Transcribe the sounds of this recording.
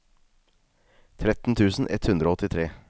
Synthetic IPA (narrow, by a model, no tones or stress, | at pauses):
t̪ʰɾɛt̪n̩t̪ʰʉːsn̩ʔɛ̰t̪hʉnd̪ɾoːɔt̪ɪt̪ʰɾeː